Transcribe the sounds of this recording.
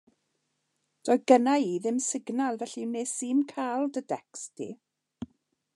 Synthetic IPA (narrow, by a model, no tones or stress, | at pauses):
d̥ɔjðɡənaiːðɪmsɪɡnalˠvɛɬineːsiːmkʰalˠdədɛkstʰḭ